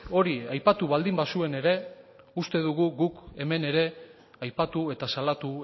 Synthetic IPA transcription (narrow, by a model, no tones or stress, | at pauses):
o̞ɾiajpat̪uβald̪imbasue̞ne̞ɾe̞ | ust̪e̞ðuɣuɣuke̞me̞ne̞ɾe̞ | ajpat̪ue̞t̪asalat̪u